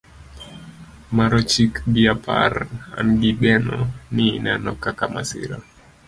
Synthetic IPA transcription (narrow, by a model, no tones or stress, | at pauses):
maɾɔt͡ʃikbiapʰa̰ɾa̰nɡiɗɛnɔninanɔkakama̰sḭɾa